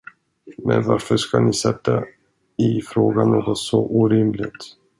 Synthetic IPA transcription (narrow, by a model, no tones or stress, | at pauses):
mɛ̰nvaɾfəʂkanɪsɛt̪ːa | ɪfɾoːɡanoːɡɔt̪sɔʔuːɾɪmlɪɡ̚t̪